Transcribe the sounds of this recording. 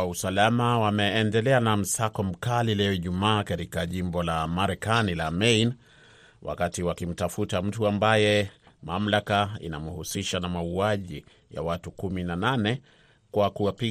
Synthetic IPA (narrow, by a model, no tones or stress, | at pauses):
ausalamawamɛːndɛlɛanam̩sakɔm̩kalilɛɔiʄumaːkaɾikaʄimbɔlamaɾɛkanilamɛjn | wa̰katiwakim̩tafutam̩tuambajɛ | mam̩lakaḭna̰muhusiʃanamauaʄi | ja̰watukuminananɛ | kwakuwapi